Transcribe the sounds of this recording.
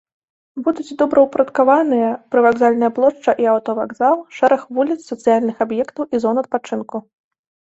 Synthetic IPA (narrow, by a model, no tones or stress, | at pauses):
bud̪ud͡zʲd̪ɔbɾɐwpɾɐt̪kavanɨjɐpɾɨvaɡzalʲnɨjɐplˠɔʂt͡ʂɐʔiawt̪ɔvaɡzalˠʂɛɾɐxvulʲit̪sːɐt̪sɨjalʲnɨxabjɛkt̪ɐwʔizɔnɐt̪̚pat͡ʂɨnku